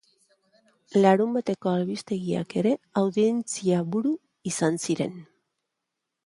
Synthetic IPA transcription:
laɾumbat̪e̞ko̞alβist̪e̞ɣia̰ke̞ɾe̞awðie̞nt͡siaβuɾu | isansiɾe̞̰n

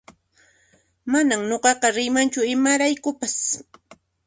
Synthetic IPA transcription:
manamɲoqɑqɑɾɪjmant͡ʃʊɪmaɾajkʊpas

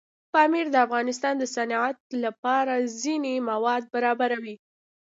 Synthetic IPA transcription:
pɑmiɾd̪əafɣɑnɪs̬t̪ɑnd̪əsanat̪̚lapɑɾazinemawɑd̪̚baɾɑbaɾawi

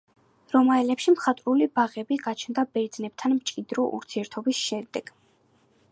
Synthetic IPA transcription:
ɾɔmaɛlɛpʃimχat̪ʼɾulibaʁɛbiɡat͡ʃʰnd̪abɛɾd̪znɛp̚t̪ʰanmt͡ʃʼid̪ɾɔʔṵɾt̪ʰiɛɾt̪ʰɔbisʃɛd̪ɛɡ̥

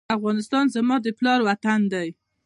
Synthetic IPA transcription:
afɣɑnɪst̪ɑnzamɑd̪əplɑɾwat̪and̪aj

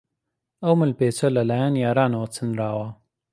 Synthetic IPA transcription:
awməlpeːsolalajaːnjɑːɾɑːnowt͡sʰənɾaːwaː

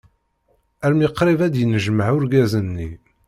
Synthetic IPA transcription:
æɾmjiqːɾɪvæd̪jənəʒməʕʊɾɡæzənːi

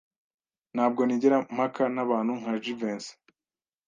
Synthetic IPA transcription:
nhaːb̚ɡo̞niɟeɾam̥hakanaβaːn̥huŋ̥haʒiveːns

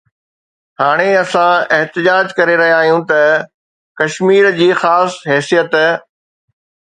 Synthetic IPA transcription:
haːɽ̃eɐsãɪɦt̪ɪd͡ʑaːd͡ʑkɐɾeɾɐɦijaaːɦijũt̪ɐ | kɐʃmiːɾd͡ʑiːxaːsɦɛːsijət̪

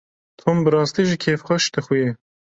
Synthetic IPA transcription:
t̪ʰoːmbɨɾɑːst̪iʒikʰeːfxʷɛʃd̪ɨxuje

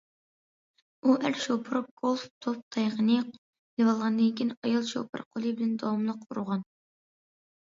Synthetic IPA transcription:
uʔæɾʃopʰɨɾup̚ɡ̥olˠft̪ʰop̚t̪ʰɑjʁənɨ | lewɑlˠʁɑnd̪ɨnkʲinɑjɑlˠʃo̰pʰɨ̰ɾqʰolˠɨbɪlɛnd̪ɑwɑmlˠəqʰuɾʊʁɑn

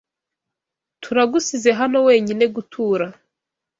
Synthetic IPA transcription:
tʰuɾaɡusize̞ɦano̞we̞ːɲine̞ɡutʰuːɾa

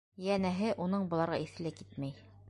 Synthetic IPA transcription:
jænæɦɘʔunɤɴbɤ̆lˠɑɾʁɑiθɘ̆lækit̪mæj

